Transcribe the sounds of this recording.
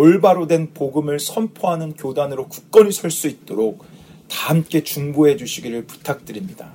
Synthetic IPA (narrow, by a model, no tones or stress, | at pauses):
oɭbaɾodwe̞npoɡɯmɯɭsʰʌmpʰoɦanɯnkjodanɯɾoku̥k̚k͈ʌɲisʰʌɭs͈uit̚t͈oɾok̚ | tahɯmk͈e̞t͡ɕuŋbuɦe̞d͡ʑuɕʰiɡiɾɯɭpu̥tʰak̚t͈ɯɾimɲida